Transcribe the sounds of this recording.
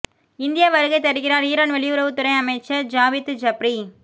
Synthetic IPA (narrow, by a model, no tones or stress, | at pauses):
ɪnd̪ɪjaʋɐɾɯɣɐɪt̪ɐɾɯɣɪɾaːɾiːɾaːnʋɛɭɪʊɾɐʋɯt̪ːʊɾɐɪɐmɐɪt͡ʃːɐd͡ʒaːʋɪt̪d͡ʒɐpɾi